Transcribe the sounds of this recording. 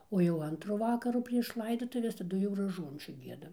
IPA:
oː jɛʊ ˈɐntrʊ ˈʋɑːkɐrʊ pʲrʲiɛʃ ˈlˠɐɪdoːtʊʋʲɛs tɐˈdʊ jɛʊ rɐˈʒuɔnʲt͡ʃʲuː ˈɡʲiɛdɐm

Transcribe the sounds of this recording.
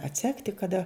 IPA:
ɐtʲˈsʲæːktʲɪ kɐˈdɐ

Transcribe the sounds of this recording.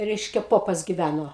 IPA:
ˈrʲɛɪʃʲkʲɛ ˈpoːpɐs ɡʲɪˈʋʲænoː

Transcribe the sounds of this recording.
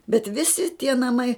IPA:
bʲɛt ˈʋʲɪsʲɪ tʲiɛ nɐˈmɐɪ

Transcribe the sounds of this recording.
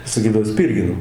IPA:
sɐˈkʲiːdɐʋoː ˈsʲpʲiːrʲɡʲɪnoː

